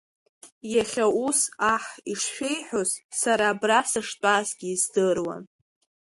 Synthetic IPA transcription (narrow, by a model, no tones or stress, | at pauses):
jaχʲausaħiʂʃʷᶣe̞jħʷᶣozsaɾaːbrasɨʂtʼaːzɡʲiːzdɨrwa̰n